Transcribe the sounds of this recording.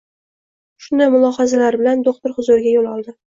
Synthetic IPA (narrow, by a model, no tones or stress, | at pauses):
ʃʊnd̪ajmʊlˠɒhɑzalaɾbɪland̪oqt̪ɪɾχʊzʊɾɪɡʲajolɒlˠd̪ɪ